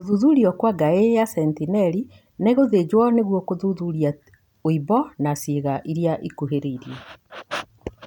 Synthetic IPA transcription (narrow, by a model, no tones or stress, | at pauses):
oðuðuɾiɔkwaɡaejasɛntinɛɾi | neɣoðed͡ʒwɔneɣwɔkoðuðuɾia | oibɔnasiɣaʔiɾjaʔikuɦeɾeiɾjɛ